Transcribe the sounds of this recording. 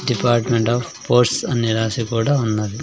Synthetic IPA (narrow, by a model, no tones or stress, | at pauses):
ɖipaːɾʈmeɳʈaːf | poːɾʈsɐnːilaːsikuːɽaːunːɐd̪i